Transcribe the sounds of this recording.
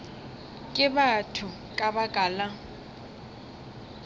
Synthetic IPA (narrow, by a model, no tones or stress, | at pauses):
kʼɪbatʰʊ | kʼabakʼaːla